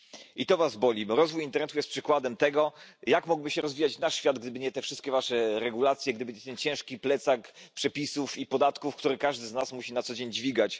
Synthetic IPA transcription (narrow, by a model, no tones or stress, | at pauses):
ʔit̪ɔvazbɔlʲiɾɔzvujint̪ɛɾnɛt̪ufjɛst̪̚pʂɘkwad̪ɛmt̪ɛɡɔjakmɔɡbɘɕɛɾɔzvʲijat͡ɕnaʂɕfʲjad̪ɡd̪ɘbɘɲɛt̪ɛfʂɘst̪kʲɛvaʂɛɾɛɡulat̪sʲjɛɡd̪ɘbɘɲɛt̪ɛnt͡ɕɛ̃w̃ʂkʲiplɛt̪sakpʂɛpʲisufipɔd̪at̪kufkt̪uɾɛkaʐd̪ɘznasmuɕinat̪sɔd͡ʑeɲd͡ʑvʲiɡat͡ɕ